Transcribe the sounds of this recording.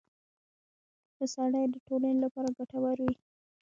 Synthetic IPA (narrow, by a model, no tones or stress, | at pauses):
pəsaɽajd̪əʈolanelapɑɾaɡaʈawaɾwi